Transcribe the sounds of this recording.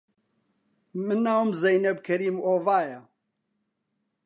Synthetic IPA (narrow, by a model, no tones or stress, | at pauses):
mɨnːaːwmzɛjnɛb̚kʰɛɾiːmoːvaːjɐ